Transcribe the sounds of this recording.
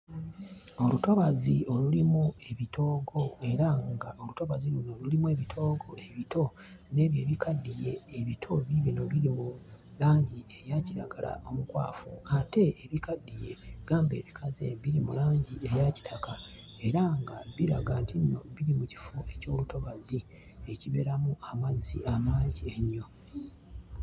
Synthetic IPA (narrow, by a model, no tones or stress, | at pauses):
o̞luto̞βazio̞lulimue̞βitʰo̞ːɡo̞e̞ɾaŋɡaʔo̞luto̞βazilunolulimue̞βitʰo̞ːɡo̞e̞βitʰo̞ | ne̞βje̞ːβikʰadːije̞ːβitʰo̞βiβino̞βiɾimu | laːɲɟie̞jaciɾa̰ɡala̰ʔo̞mukwa̰ːfuate̞ːβikadːije̞̰ɡ̥aːmbe̞̰ːβikʰazḛβiɾimulaːɲɟie̞jaci̥tʰaka | e̞ɾaŋɡaβiɾa̰ɡantʰiino̞̰βiɾimuci̥foeco̞ːluto̞βazi | eciβe̞̰ɾamuamazːḭamaːɲɟieɲːo̞